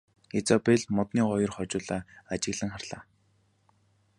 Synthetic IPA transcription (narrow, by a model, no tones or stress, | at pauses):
et͡sɔpeɮmɔt̪niːɢɔjɞ̆rχɔt͡ɕʊːɮaːat͡ɕɪ̆ɣɮə̆ŋχarɮ̥aː